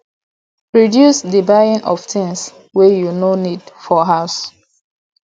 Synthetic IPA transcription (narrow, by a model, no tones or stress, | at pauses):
pɹɔdjusdibajĩnʔɔftʰĩŋs | wɛjunonidfɔɦaʊs